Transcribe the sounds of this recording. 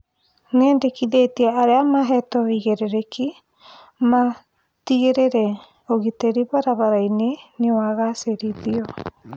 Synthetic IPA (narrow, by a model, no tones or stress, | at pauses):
nendekiðetiaaɾeamaɦɛtɔiɣeɾeɾeki | ma | tiɣeɾeɾɛ | oɣiteɾiβaɾaβaɾainenewaɣaseɾiðiɔ